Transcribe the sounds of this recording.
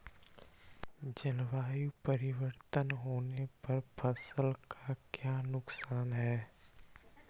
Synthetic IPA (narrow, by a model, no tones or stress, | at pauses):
d͡ʒəlʋaːjupəɾɪwəɾt̪ənɦoːnepɐɾpʰɐsəlkʰakjaːnʊksaːnɦɛː